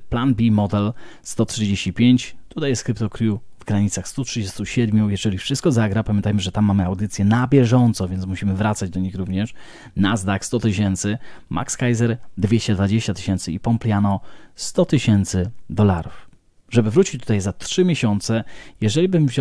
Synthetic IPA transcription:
planbʲimɔd̪ɛlst̪ɔtʂɘd͡ʑeɕt͡ɕipʲjeɲt͡ɕt̪ut̪ajɛskɾɘpt̪ɔkɾʲjuvɡɾaɲit̪saxst̪utʂɘd͡ʑɛst̪uɕɛd̪mʲujɛʐɛlʲifʂɘst̪kɔzaɡɾapamʲjɛnt̪ajmɘʐɛt̪amːamɘawd̪ɘt̪sʲjɛnabʲjɛʐɔnt̪sɔ̃vʲjɛnt̪muɕimɘvɾat̪sad͡ʑd̪ɔɲixɾuvɲɛʂ | nazd̪akst̪ɔt̪ɘɕɛnt̪sɘmʔa̰kskajzɛɾd̪vʲjeɕt͡ɕɛd̪vad͡ʑeɕt͡ɕat̪ɘ̥ɕɛnt̪sɘipɔmplʲjanɔst̪ɔt̪ɘɕɛnt̪sɘd̪ɔlaɾuf | ʐɛbɘvɾut͡ɕit͡ɕt̪ut̪ajzat̪ʂɘmʲeɕɔnt̪sɛjɛʐɛlʲibɘmvʑ

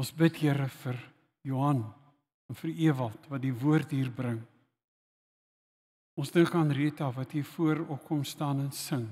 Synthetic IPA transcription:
ɔ̃nsbətɦiəɾəfər | juɦɐn | ɛnfəriəvɐlˠtvɐt̚divuərtɦiːrbrəŋ | ɔnsdəŋkɐːnriətɐvɐtɦiːrfuəɾɔp̚kɔmstɑːnɛnsəŋ

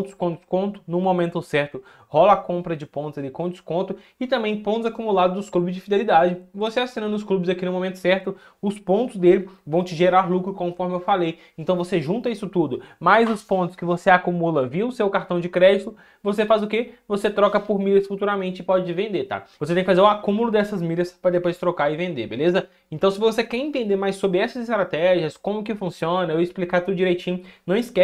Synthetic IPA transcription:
t̪ʊ̥skõd͡ʒɪskõnt̪ʊ̥nʊ̃momẽnt̪ʊsɛɾt̪ʊ | hɔlɐakõmpɾɐd͡ʒɪpõnt̪ʊzalikõd͡ʒɪskõnt̪ʊ | ɪt̪ɐ̃mbẽj̃põnt̪ʊzakumulad̪ʊd̪ʊsklubɪzd͡ʒɪfid̪elid̪ad͡ʒɪvoseasĩnɐnʊsklubɪzakinʊ̃momẽnt̪ʊ̥sɛɾt̪ʊ | ʊspõnt̪ʊzd̪elɪvɐ̃w̃t͡ʃɪʒeɾaɾlukɾʊkõfɔɾmɪewfalejẽnt̪ɐ̃w̃voseʒũnt̪ɐisʊt̪ud̪ʊmɐjzʊspõnt̪ʊ̥skɪvoseakumulɐviɐʊsewkaɾt̪ɐ̃w̃d͡ʒɪkɾɛd͡ʒit̪ʊ | vosefazʊkevoset̪ɾɔkɐpoɾmiʎɐsfut̪uɾamẽnt͡ʃɪpɔd͡ʒɪt͡ʃɪvẽnd̪et̪a̰voset̪ẽkɪfazeɾʊakũmʊlʊd̪ɛsɐzmiʎɐspɾɐd̪epojst̪ɾokaɪvẽnd̪ḛbelezɐ | ẽnt̪ɐ̃w̃sɪvosekɛɾẽnt̪ẽnd̪eɾmajsːobɾɪɛsɐzɪst̪ɾat̪ɛʒiɐskõmʊkɪfũsiõnɐewɪsplikaɾt̪ewd͡ʒiɾejt͡ʃĩɲʊnɐ̃w̃ɪskɛ

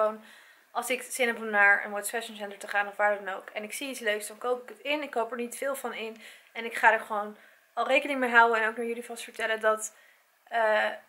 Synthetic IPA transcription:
own | ɑlˠsɪksɪnɛpɦɔmnaːɹə̰nwɔsfɛʃənsɛntəɹtəχaːnɔfʋaːɹdɑnowkɛnɪksiitsløɥksdɑnkowpɪkətɪnɪkːowpɛɹnitfɪːlˠvɑnɪnɛnɪkχaːdəɹχəʋown | ɑlˠrejkənɪŋəmejɦawəɛnowknaɹjɵlivɑstfəɹtɛlədɑt | ə

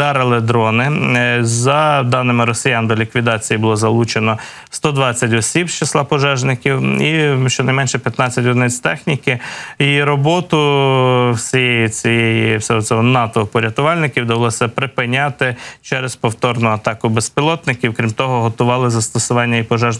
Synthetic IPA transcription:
d̪ɑɾelˠɪd̪ɾɔnɪzɐd̪ɑnɪmɪɾɔsʲɪjɑnd̪ɔlʲikʋʲid̪ɑt͡sʲijibʊlˠɔzɐlˠut͡ʃenɔ | st̪ɔd̪ʋɑt͡sʲːɐtʲɔsʲibst͡ʃɪslˠɑpɔʒɛʒnɪkʲiwiʃt͡ʃɔnɐjmɛnʃɛpʲjɐt̪nɑt͡sʲːɐtʲɔd̪nɛt͡sʲt̪ɛxnʲikɪjiɾɔbɔt̪ʊ | wsʲijɛjit͡sʲijɛjisʲɛɦɔsʲɔɦɔnɑt̪ɔpɔɾʲjɐt̪ʊʋɑlʲnɪkʲiwd̪ɐʋɐlˠɔsʲɐpɾɪpɪnʲɑt̪ɪt͡ʃɛɾespɔwt̪ɔrnʊɐt̪ɑkʊbespʲilˠɔt̪nɪkʲiwkɾʲimt̪ɔɦɔɦɔt̪ʊʋɑlˠɪzɐst̪ɔsʊʋɑnʲːɐipɔʒɛʒn

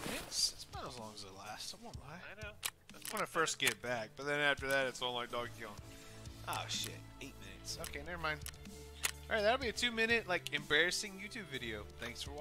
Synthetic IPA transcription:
ɪtsɪtsb̥aəzlɔ̃ŋəzɨlæstwʌ̃naɪaɪnoʊ | awʌnɨfɜ˞stɡ̥ɛɾɨt̚b̥æk̚b̥ʌt̪̚ðɨ̃næftə˞ðæɾɨtsn̩laɪk̚d̥ɔɡɑ̃nʔo̰ʊʃɪ̰t̚eɪt̚mɪ̃nɨ̰tsoʊkʰeɪnɪvə˞mãɪ̃nd̥ | ɑ̰ɹaɪðæɾl̩ˠbiɨtʰʉmɪ̃ñɨt̚ˡlaɪkʰɨ̃mbɛɹɨsɪ̃ŋjʉtʰʉbvɪɾioʊθæ̃ŋksfə˞

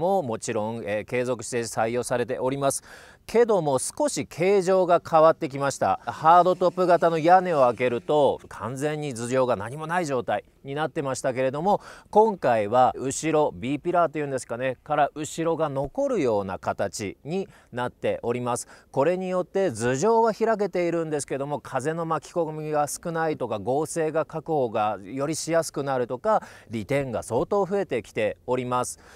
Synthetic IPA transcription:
mo̞mo̞t͡ɕiɾõ̞ŋeːke̞ːzo̞kɯ̟̥ɕi̥t̪e̞saijo̞ːsaɾe̞t̪̬e̞ʔo̞ɾʲimasɨ̥ | kʰe̞d̪o̞mo̞sɨ̥ko̞ɕikʰe̞ːʑo̞ːɡakʰaβat̪ːe̞k̬ʲimaɕi̥t̪a̰haːd̪o̞t̪o̞pːɯ̟ɡat̪ano̞jane̞o̞ake̞ɾɯ̟t̪o̞kʰãnd͡zẽ̞ɲ̟ːizɨɾʲo̞ːɡanaɲ̟imo̞naiʑo̞ːt̪ai | ɲ̟inat̪ːe̞maɕi̥t̪ake̞ɾe̞d̪o̞mo̞kõ̞ŋkaiβaɯ̟ɕiɾo̞bʲiːpʲiɾat̪ːo̞iɯ̟̃ːnd̪e̞sɨ̥kane̞kaɾaʔɯ̟ɕiɾo̞ɡano̞ko̞ɾɯ̟jo̞ːna̰kat̪at͡ɕḭɲ̟i | nat̪ːe̞ʔo̞ɾʲimasɨ̥ko̞ɾe̞ɲ̟ijo̞t̪ːe̞zɨʑo̞ːβaçiɾak̬e̞t̪e̞iɾɯ̟̃nd̪e̞sɨ̥keed̪o̞mo̞kʰaze̞no̞makʲi̥ko̞mʲiɡasɨ̥kɯ̟nait̪o̞kaɡo̞ːse̞ːɡakakɯ̟ho̞ːɡajo̞ɾʲiɕijasɨ̥kɯ̟naɾɯ̟t̪o̞kaɾʲit̪ẽ̞ŋɡa̰so̞ːt̪o̞ːɸɯ̟e̞t̪e̞kʲi̥t̪e̞o̞ɾʲimasɨ̥

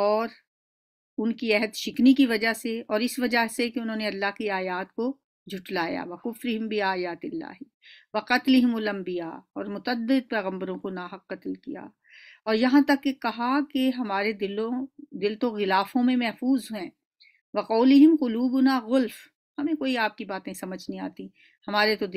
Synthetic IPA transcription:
ɔːɾ | ʊnkiɛɦəd̪ʃɪknikiʋɐd͡ʒaɦseɔːɾɪsʋɐd͡ʒaɦsekeʊnɦõːneɐlːaɦkiaːjaːt̪ko | d͡ʒʱʊʈlaːja̰ːʋɐkʊfɾɪɦɪmbʱiaːjaːt̪ɪlːa̰ːɦi | ʋɐqɐt̪lɪɦɪmʊlɐ̃mbijaɔːɾmʊt̪əd̪ːɪd̪̚pɛːɣə̃mbəɾõkonaːɦɐqːɐt̪lkija̰ː | ɔːɾjɐɦãt̪ɐkːekɐɦakeɦɐmaːɾed̪ɪlõd̪ɪlt̪oɣɪlaːfõmẽmɛɦfuːzɦɛ̃ː | ʋɐqɔːlɪɦɪmqʊluːbʊnaɣʊlf | hɐmẽkoːiaːp̚kibaːt̪ẽsɐməd͡ʒʱnĩa̰ːt̪i | hɐmaːɾet̪od̪

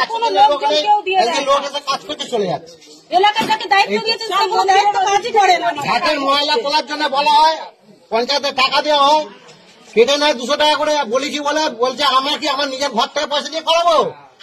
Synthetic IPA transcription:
ɛkʰonolokok̪eewd̪ieejeloket̪ekat͡ʃkoɾt̪et͡ɕoleja̰t͡ʃʰe̥ | elakaɾd͡ʒaked̪ait̪od̪ijet͡ɕʰekunod̪aiːoad͡ʑikɔɽeɡʱɛt̪eɾmɔalak̪olaɾd͡ʑonːebɔlaɦɔe | pɔnt͡ɕaet̪eʈakad̪ewaɦɔe | keʈanɔed̪uʃoʈakakoɽebolikibolebolt͡ɕʰeamaɾkiamaɾnid͡ʑeɾɡʱɔɾt̪ʰekepɔjʃad̪iekɔɾaboo

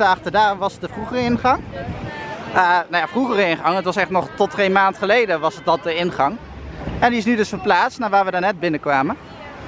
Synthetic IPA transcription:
əɑχtədaːrʋɑsət̚dəvruχərəɪnχɑŋ | ənawjaːvruχərəɪnχɑŋətʋɑsɛχtnɔχtɔtejmaːntχəlejdəʋɑsət̚dɑt̚dəɪnχɑŋ | ɛndiɪs̬nydɵsfəɹplaːtstnaːɹʋaːɹʋədanɛd̚bɪnəkʋaːmən

